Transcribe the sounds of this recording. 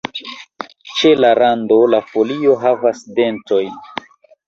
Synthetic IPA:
t͡ʃe̞laɾando̞lafo̞lio̞ɦavasde̞nto̞jn

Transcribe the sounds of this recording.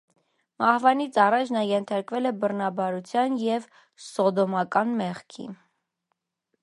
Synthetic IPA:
mɑhvɑnit͡sʰɑrɑt͡ʃʰnɑjɛnt̪ʰɑɾkvɛlɛbərnɑbɑɾut͡sʰjɑnjɛv | sɔd̪ɔmɑkɑnmɛχkʰḭ

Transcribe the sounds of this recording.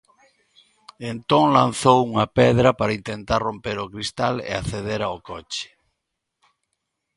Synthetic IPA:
ent̪oŋlãn̟θowuŋɐpɛðɾɐpaɾaint̪ent̪aɾrompeɾokɾist̪alḛa̰θeð̞eɾaokɔt͡ʃɪ̥

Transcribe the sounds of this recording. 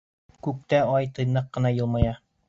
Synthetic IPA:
kʉk̚t̪æɑjt̪ɤ̆jnɤqːɤ̆nɑjɤ̆lˠmɑjɑ

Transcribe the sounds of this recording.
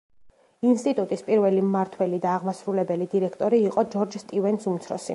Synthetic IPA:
inst̪ʼit̪ʼut̪ʼispʼiɾvɛlimaɾt̪ʰwɛlid̪aːʁmasɾulɛbɛlid̪iɾɛkʰt̪ʼɔɾiːqʼɔd͡ʒɔɾd͡ʒst̪ʼivɛnsumt̪sʰɾɔ̰sḭ

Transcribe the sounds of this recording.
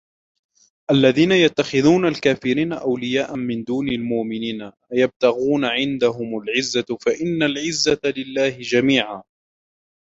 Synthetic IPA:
ʔalːaðiːnajat̪ːaxɪðuːnalkaːfɪɾiːnaʔawlɪjaːʔamɪnd̪uːnalmʊʔmɪniːna | jab̚t̪aɣuːnaʕɪnd̪aɦʊmalʕɪzːafaʔɪnːalʕɪzːalɪlːaːhɪd͡ʒamiːʕaː

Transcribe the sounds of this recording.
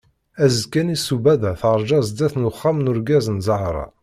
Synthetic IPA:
æzəkːænisubæðæθəɾˤd͡ʒɑzd̪æθnʊχːamnʊɾɡæzənzˤɑhɾˤɑ̰

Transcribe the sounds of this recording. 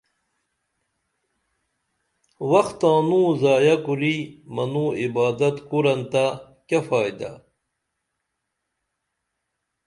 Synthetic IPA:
wɐxt̪ãːnũːzaːjɐkuɾimɐnuːibaːd̪ɐt̪kuɾɐnt̪a | kafaːjd̪a̰

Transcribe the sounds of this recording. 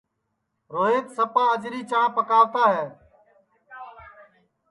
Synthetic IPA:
ɾoːɦeːt̪səpãːəd͡ʒɾiːt͡ʃəɳãpəkaːʋt̪aːɦeː

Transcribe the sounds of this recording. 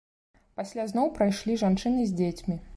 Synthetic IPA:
pasʲlʲaznɔwpɾajʂlʲiʐant͡ʂɨnɨzʲd͡zʲet͡sʲmʲi

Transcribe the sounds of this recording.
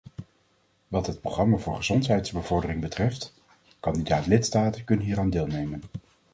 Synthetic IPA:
ʋɑtɦət̚proχrɑmaːvʊːɹχəz̥ɔntɦɛjtsbəvɔɹdərɪŋbətrɛft | kɑndidaːtlɪtstaːtəkɵnənɦiːɾaːndeːlˠnejmən

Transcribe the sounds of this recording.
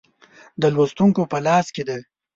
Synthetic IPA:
d̪əlwost̪uŋkopəlɑsked̪a

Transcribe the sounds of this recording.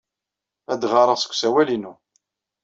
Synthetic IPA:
æd̪ʁɑɾˤəʁsə̥kʷːsæwælinu

